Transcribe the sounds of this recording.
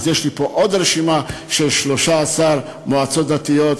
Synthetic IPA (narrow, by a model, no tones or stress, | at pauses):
zjeʃlipo̞ʔod̪ɾeʃimaʃelʃloʃaːsaɾ | moat͡sot̪̚d̪at̪ijot̪